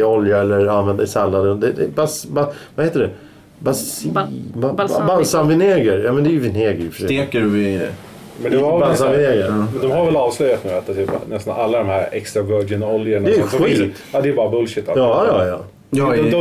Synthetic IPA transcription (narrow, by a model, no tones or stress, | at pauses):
ɔljaɛlːəɾanvɛnd̪aɛsɛlːad̪əd̪ɛd̪ɛbasbavaheːt̪əɖɛ | basibabalsamvɪneːɡəɾjɑːmɛnd̪ɛæːjəvɪneːɡəɾfəeːkəɾvɪ̰ | mɛnd̪ɔmabasavɪneːɡəɾd̪ɔmhaɾvɛlɑːvslœjat̪mɛat̪d̪ɛnɛst̪analːad̪ɔmhæɾɛkst̪ɾavœɖɪnɔljəɳad̪ɛjmfɧiːt̪ɑd̪ɛːbɑːɾabɵlʃɪt̪ːalɑːjɑjɑ | ɔd̪ɔ